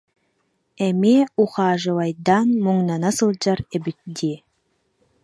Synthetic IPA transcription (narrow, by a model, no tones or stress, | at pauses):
ɛmiuχɑːʒɯlɑjd̪anmuŋnanasɯlˠd͡ʑaɾebyt̪̚d̪i